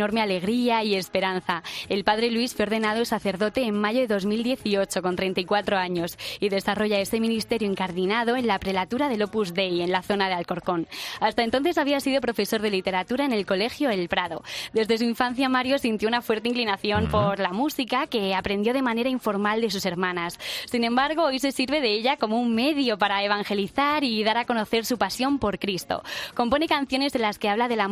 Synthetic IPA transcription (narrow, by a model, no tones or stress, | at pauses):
o̞ɾmeale̞ɣ̞ɾiaie̞spe̞ɾanθae̞lpaðɾe̞lwisfweɾð̞e̞nað̞oelsaθe̞ɾðo̞t̪e̞ːmːaʝo̞ðeðo̞zmild̪je̞θio̞t͡ʃo̞ko̞nt̪ɾe̞jnt̪aikwat̪ɾo̞aɲo̞siðe̞saro̞ʝae̞se̞mĩnist̪e̞ɾjoeŋkaɾðinaðo̞e̞nlapɾe̞lat̪uɾaðe̞lopuzðe̞je̞nlaθo̞naðealko̞ɾko̞nast̪ae̞nt̪o̞nθe̞saβiasiðo̞pɾo̞fe̞so̞ɾð̞e̞lit̪e̞ɾat̪uɾaene̞lko̞le̞xjo̞elpɾaðo̞d̪e̞zðe̞suiɱfan̟θjamaɾjo̞sint̪jo̞unafwe̞ɾt̪e̞iŋklinaθjo̞mpo̞ɾlamusikake̞apɾend̪jo̞ð̞e̞mãne̞ɾaiɱfo̞ɾmald̪e̞suse̞ɾmãnasːinẽ̞mbaɾɣ̞o̞ojse̞siɾβe̞ðe̞eʎako̞moumme̞ðjo̞paɾaeβ̞aŋxe̞liθaɾiðaɾako̞no̞θe̞ɾsupasjo̞mpo̞ɾkɾist̪o̰ko̞mpo̞ne̞kan̟θjo̞ne̞senlaske̞aβlaðe̞la